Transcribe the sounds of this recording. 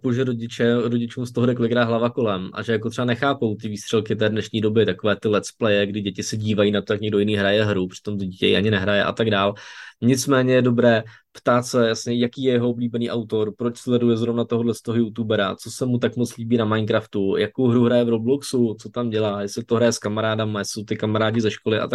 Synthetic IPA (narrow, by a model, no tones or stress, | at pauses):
poʒɛɾoɟɪt͡ʃɛɾoɟɪt͡ʃuːmst̪oɦoɾɪklɪkɾaːɦlavako̞lɛmʔa̰ʒɛjakot̪r̥ɛbanɛxaːpo̞wt̪ɪviːst̪r̥ɛlˠkɪt̪ɛːdnɛʃɲiːdo̞bɪt̪akovɛːt̪ɪlɛt̪splɛjɛɡdɪɟɛcɪsɛɟiːvajiːnat̪ojakɲɛɡdojɪniːɦɾajɛɦɾupr̥ɪ̥t̪o̞mt̪oɟicɛ̰jḭʔaɲɪnɛɦɾajɛʔa̰t̪aɡdaːlɲɪt͡smɛːɲɛjɛdo̞bɾɛː | pt̪aːt̪sɛjasɲɛjakiːjɛjɛɦoobliːbɛniːʔawt̪o̞ɾpɾo̞t͡ʃslɛdujɛzɾo̞vnat̪oɦodlɛst̪oɦojut̪ubɛɾa̰t͡so̞sɛmut̪̬akmot͡sliːbiːnamajnkɾaft̪ujako̞wɦɾuɦɾajɛvɾobluksut͡sot̪amɟɛlaːjɛsɪɪt̪oɦɾajɛskamaɾaːdamajɛsɪsowt̪ɪkamaɾaːɟɪzɛʃkolɪʔa̰t̪a